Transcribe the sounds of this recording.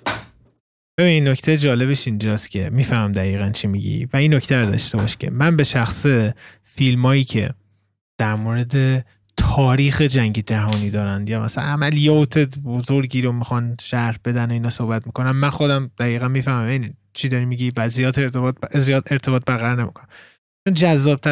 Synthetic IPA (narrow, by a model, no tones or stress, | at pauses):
b̥e̞biːninːoct̪ʰed͡ʒɒːle̞βeʃind͡ʒɒːst̪cʲʰemiːfæhmæmd̪æiːɣænt͡ʃʰimiɟḭvæinːocʰt̪ʰæɾod̪ɒ̰ʃt̪e̞bɒ̰ʃcʰʲḛmænbe̞ʃæxse | filmɒːjiːcʰe̞̰ | d̪̥æɾmoɾe̞d̪e̞ | t̪ʰɒːɾiːxed͡ʒæŋɟe̞d͡ʒæɦɒːniːd̪ɒːɾænd̪jɒːmæ̰sææ̰næmælijɒt̪ʰe̞bozoɾɟiːɾomixɒnʃæɾhbe̞d̪æno̞iːnɒːso̞hbæt̪̚miko̞næmːænxo̞d̪æmd̪̥æiːɣænmiːfæhmæmeni | t͡ʃʰid̪ɒɾimiɟivæzijɒːt̪ʰːt̪zijɒːt̪eɾt̪ʰebɒːt̪̚bæɣæɾne̞mḭkʰonæm | t͡ʃond͡ʒæzːɒːb̚t̪ʰæ